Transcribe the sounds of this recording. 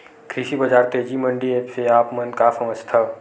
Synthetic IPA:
kʰɾɪʃibɐd͡ʒaːɾt̪eːd͡ʒimɐ̃ɳɖieːpseaːpmɐnkasɐməd͡ʒt̪ʰa

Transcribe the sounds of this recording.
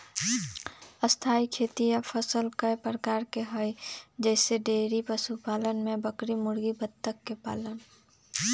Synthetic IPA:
əst̪ʰaːikʰeːt̪ijapʰəsəlkəepɾəkaːɾkeɦəjd͡ʒɛːseɖeːɾipəsupaːlənmẽbəkɾimʊɽɡibət̪ːəkːepa̰ːlən

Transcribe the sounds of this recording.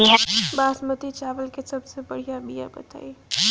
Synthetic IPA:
iabaːsmət̪it͡ʃaːʋəlkesəbsebəɽ̤ijabija̰bə̰t̪a̰ːi

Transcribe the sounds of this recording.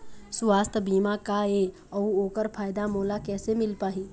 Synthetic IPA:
swaːst̪ʰbiːmakae | əuoːkəɾpʰaːjd̪amoːlakɛːsemɪlpaːɦĩː

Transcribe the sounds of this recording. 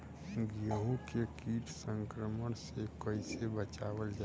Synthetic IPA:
ɡjəɦũkekiːʈʰsə̃ŋkɾəməñsekəɪsebət͡ʃaʋəld͡ʒa

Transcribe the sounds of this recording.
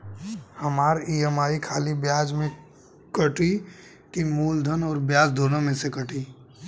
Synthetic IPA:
hɐmaːɾiːəmaːikʰaːlibjaːd͡ʒmẽ | kɐʈʰi | kimuːld̪ʱənɔːɾbjaːd͡ʒd̪ʱoːnãmẽsekəʈʰi

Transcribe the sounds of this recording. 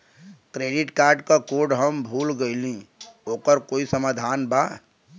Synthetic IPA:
kɾeːɖɪʈkaːɾɖkakoːɖɦəmbʱuːlɡəɪlĩoːkəɾkoːisəmad̪ʱaːnbaː

